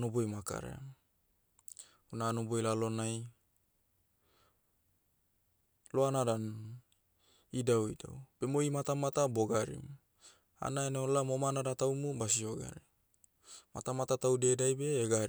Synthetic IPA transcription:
nobojmaka̰ɾḛa | unaːnobojlalonaj | loanada | idawida̰wb̥emoimat̪amat̪aboɡaɾḭmu | a̰naeneolamomanadat̪aumubasioɡa̰ɾi | mat̪amat̪at̪awdedajbeːɡa

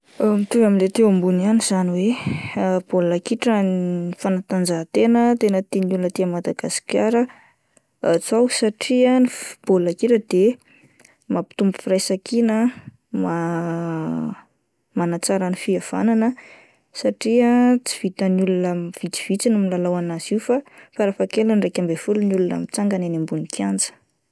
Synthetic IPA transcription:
əmit̪uvaminlet̪ewambunianiz̥aniwe | b̥olakiʈ͡ʂəifanat̪and͡zaɦt̪enət̪enət̪inulunət̪iamad̪aɡ̥asi̥kʲjaɾə | t͡sawsaʈ͡ʂiənib̥olakiʈ͡ʂəd̪e | mapi̥t̪umbu̥firajsakinə | ma | manat͡saɾənifiav̥a̰nanə | saʈ͡ʂiət͡si̥v̥it̪ənulunəv̥it͡si̥v̥it͡sinumilalawanaz̥iufafaɾafakelənrejkʲambefulunjulunə̰mit͡saŋɡananimbunikʰand͡zə̥

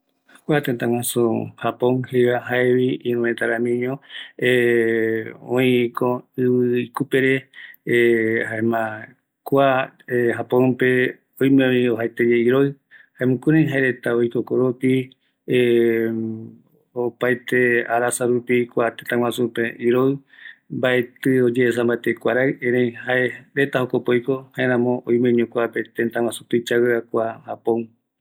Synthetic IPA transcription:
kʷat̪ent̪ãŋw̃ãsuhapõŋhɾiβaɦaeβiĩɾũet̪aɾamĩɲõe | õĩkoɨβɨikupeɾe | haemã | kʷaeɦapõñpe | ojmẽõĩoɦajt̪ed͡ʒeiɾoj | haemũkuɾãj̃ɦaeɾet̪aojkokoɾopi | opajt̪eaɾasaɾupikʷat̪ent̪ãw̃ãsupeʔiɾoɨmbae̞t̪ɨod͡ʒeːsãmbaet̪ekʷaɾaɨẽɾẽj̃haeɾe̞t̪ahokopojko̞haeɾãmõoj̃mẽɲũkʷape̞t̪ent̪ãŋwãsu̥pɨt͡ʃaweakʷahapõ

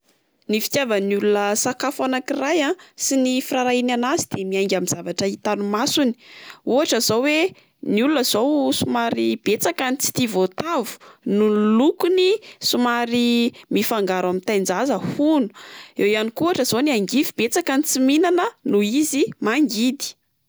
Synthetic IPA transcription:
nifi̥t̪javənulunəsakafanakirajãsinifiraɾainanazid̪̥emiaŋɡʲamizavaʈ͡ʂəit̪anumasuni̥uaʈ͡ʂəzowwe | nulunəz̥owsumaɾib̥et͡sakanit͡si̥t̪ivot̪avu̥nulukunisumaɾimifaŋɡaɾamint̪ajnd͡zazəhunu̥ewjanikuaʈ͡ʂəz̥oniaŋɡivibet͡sakanit͡siminanənuizimaŋɡid̪i̥

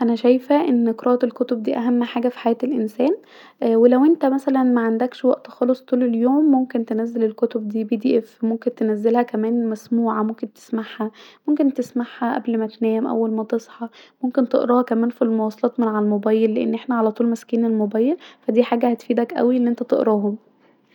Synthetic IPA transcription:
ʔænæʃæjfæʔenːkɾˤʔɑːt̪elkot̪obd̪iːʔæɦæmːħaːɡæfi̥ħajæːt̪elʔensæːn | ʔwelæwʔent̪æmæsælænmæʕand̪ækʃwæʔt̪xɑlosˤt̪ˤuːleljoːmːomkent̪enæzːelelkot̪ob̚d̪iːbiːd̪iːʔefmomkent̪enæzːelhækæmæːnmæsmuːʕamomkent̪e̥smaħhæmomkent̪esmaħhæʔæ̰blmæt̪næːmʔæ̰wːælmæt̪esˤħɑmomkent̪eʔɾɑːhɑkæmæːnfilmowɑːsˤɑlɑːt̪menʕalmobæːjːelːeʔḛnːʔeħnæʕalæt̪ˤuːlmæskiːnelmobæːjelfæd̪iːħaːɡæhæt̪fiːd̪ækʔæ̰wiʔenːʔent̪æt̪eʔɾɑːɦom

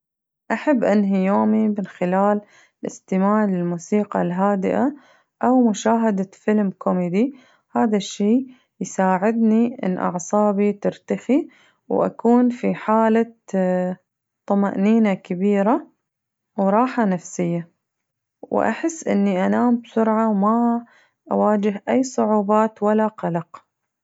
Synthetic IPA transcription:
ʔaħabːʔanɦijoːmimɪnxɪlaːl | lʔɪst̪ɪmaːʕlɪlmuːsiːqɑ̰lɦaːd̪ɪʔa | ʔawmʊʃaːɦad̪afɪlmkʰomed̪i | haːðaʃːeː | jsaːʕɪd̪niʔɪ̰nːʔɑ̰ʕsˤɑːbit̪ɪɾt̪axi | wʔa̰kuːnfiħaːla | t̪ˤːɑmaʔniːnakabiːɾa | wɾˤɑːħanafsɪjːa | wʔa̰ħɪsːʔɪ̰nːiʔanaːmbsʊɾʕawma | ʔa̰waːd͡ʒɪɦʔajːsˤʊʕuːbɑːt̪walːaqɑlɑq

